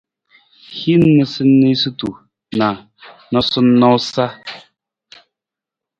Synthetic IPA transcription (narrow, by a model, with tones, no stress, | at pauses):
hi˦n˦nɨ˨sɨ˦nːi˦sɨ˦tu˨ | na˨ | nɔ˦sɨ˦nɔ˦wsa˦